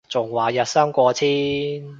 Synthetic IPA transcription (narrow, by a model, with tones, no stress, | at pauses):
t͡sʊ˨˩ŋwaː˨˩jɐ˨t̚sɐ˥ŋkʷɔː˧t͡sʰiː˥n